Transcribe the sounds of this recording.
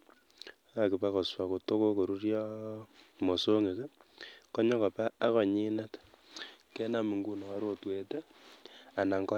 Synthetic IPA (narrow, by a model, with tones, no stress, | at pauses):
a˨kɪ˨pa˦kɔ˨swa˨ko˨to˦ko˦ko˨ɾu˦rjɔ˦ | mo˨so˦ŋe˨ke˦kɔ˦ɲɔ˦ka˨pa˦a˦kɔ˨ɲi˦nɛ˦t | ke˦na˨mi˨ŋɡu˦nɔ˨a˦ɾotwe˨te˦ | a˨na˨ŋɡɔ˦